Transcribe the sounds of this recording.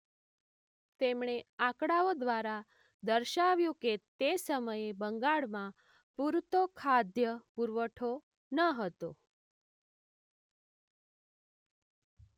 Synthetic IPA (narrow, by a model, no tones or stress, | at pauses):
t̪emɳ̃eakɽaod̪ʋaɾa | d̪əɾʃaʋjũket̪esəməjebəŋɡaɭmã | puɾt̪okʰad̪jəpuɾʋəʈʰo | nəɦət̪o